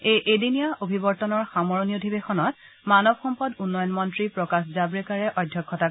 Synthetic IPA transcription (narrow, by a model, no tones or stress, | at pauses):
ejʔedinijaobʱibɔɹtɔnɔɹxamɔɹɔniodʱibexɔnɔt̚ | manɔbxɔmpɔdunːɔjɔnmɔntɹipɹɔkaszabɹɛkaɹɛʔɔjdʱjɔkʰːɔta